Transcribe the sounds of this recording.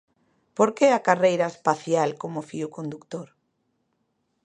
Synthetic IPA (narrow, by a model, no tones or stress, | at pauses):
poɾkeakarejɾaespaθjalkomʊfiʊkond̪ukt̪oɾ